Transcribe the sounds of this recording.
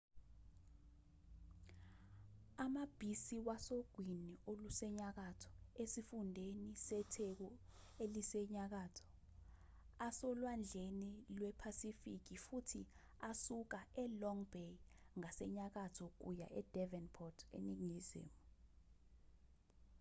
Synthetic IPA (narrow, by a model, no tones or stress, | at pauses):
amab̥ʱisiwasoɡ̥ʱwiniʔolusɛɲak̬atʰɔ̥esifundʱenisɛtʰek̬ɔelisɛɲak̬atʰɔ̥ | asɔlwand͡ɮʱenilwɛpʰasifik̬ifutʰi | asuk̬aɛlɔŋbej | ŋasɛɲak̬atʰɔk̬ṵja̰ʔɛd̥ʱɛvɛnpʰɔtʰḛniŋizḛːmu